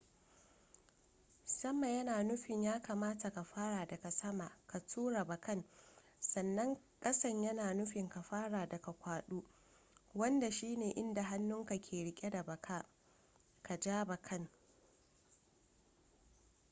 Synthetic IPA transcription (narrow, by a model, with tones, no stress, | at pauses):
sɐ˦mːɐ˨ɲjɐ˦naː˨nʊ˦ɸɪ˨ɲjaː˦kaː˨maː˦ta˨ka˨ɸaː˦ɽaː˨dɐ˨ka˨sɐ˦ma˨ka˨tʰuː˦ɾa˨bɐ˨kɐ˦˨n | sɐ˨nːɐ˦ŋ | kʼɐ˦sɐ˦ɲjɐ˦naː˨nʊ˦ɸɪ˨ŋka˨ɸaː˦ɽaː˨dɐ˨ka˨kʷaː˨ɗuː˦ | wɐ˦nda˨ʃiː˦neː˨ʔɪ˦nda˨ɦa˦nːʊ˦ŋka˨kʲʰeː˨ɽɪ˦kʲʼe˦da˨bɐ˨kʰaː˦ | ka˨d͡ʒaː˦ba˨kʰɐ˦ŋ